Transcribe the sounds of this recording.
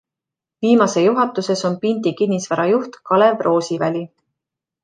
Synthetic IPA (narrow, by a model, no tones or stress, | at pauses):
viːmɑse̞juɦɑt̪ːˑuse̞so̞npind̪ikinːisvæɾɑjuht̪kɑle̞vro̞ːsivælʲi